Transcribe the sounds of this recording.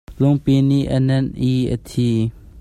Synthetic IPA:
lʊŋpiniʔənɛnʔiʔə̰t̪ʰi

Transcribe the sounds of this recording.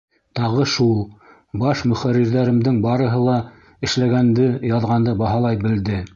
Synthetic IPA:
t̪ɑʁɤʃulˠ | bɑʃmɵ̆χæɾːiɾðæɾɘ̆md̪ɘŋbɑɾɤ̆ɦɤlˠɑ | ɘ̆ʃlæɡænd̪ɘjɑðʁɑnd̪ɤbɑɦɑlˠɑjbɘ̆ld̪ɘ

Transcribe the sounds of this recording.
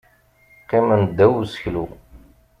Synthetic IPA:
qːɪmənd̪ːæwusəçlṵ

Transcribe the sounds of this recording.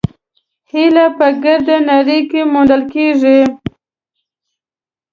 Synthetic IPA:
hilapəɡəɾd̪anaɾikemoɳd̪əlkeʐi

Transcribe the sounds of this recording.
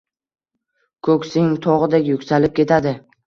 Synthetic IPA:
kʰɵkʲsɪŋt̪ʰɒʁɨd̪ekʲjʊkʲsalɪp̚kʲe̞t̪ʰad̪ɪ

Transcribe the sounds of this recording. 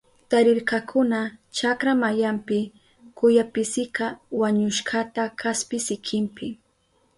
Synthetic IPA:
t̪aɾɪɾkakʰʊnat͡ʃakɾamajampɪ | kʊjapɪsɪkawaɲʊʃɢat̪akʰaspɪsɪkʰɪmpɪ

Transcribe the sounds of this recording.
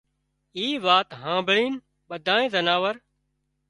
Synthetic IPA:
iːʋaːt̪ɦãːbɪɭiːn | ɓəd̪ʱaːẽːzənaːʋəɾ

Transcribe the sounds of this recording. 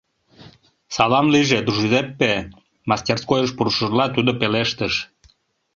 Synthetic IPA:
sɑlɑmliʒed̪uʒid̪epːe | mɑst̪ʲerskojəʃpuɾuʃərlɑt̪ud̪opeleʃt̪əʃ

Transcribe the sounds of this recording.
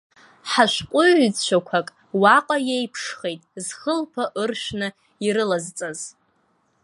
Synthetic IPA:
ħaʃʷqʷʼʊʕʷd͡zt͡ɕt͡ʃʷʰakʷʰakʼ | waqʼajejpʰʂχejtʼzχəlpʰaʔɨrʃᶣʷnɨ | iɾɨlazt͡sʼaz

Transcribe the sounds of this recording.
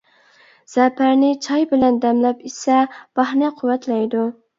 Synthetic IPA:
z̥ɛpʰæɾnɪt͡ʃʰɑjbɪlɛnd̪ɛmlɛpisɛb̥ɑhnɨqʰʊwɛt̪ʰlɛjd̪u

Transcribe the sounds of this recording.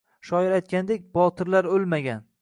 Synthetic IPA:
ʃɒɪɾajt̪̚kʲand̪e̞k̚ʲbɒt̪ʰɪɾlaɾolmaɡʲan

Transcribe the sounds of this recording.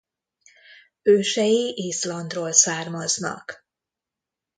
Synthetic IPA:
øːʃɛjiʔiːslɒnd̪roːlsaːrmɒznɒ̰k

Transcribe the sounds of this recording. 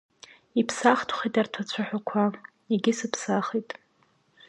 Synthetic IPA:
ipʰsaχtʰχitʼartʰat͡ɕʷʰaħʷᶣakʷʰa | iɡʲɪsɨpʰsaχitʼ

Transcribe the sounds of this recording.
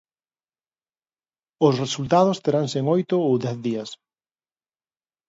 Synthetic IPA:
ʊsresult̪að̞ʊst̪eɾaŋseŋojt̪ʊowðɛθðiɐs

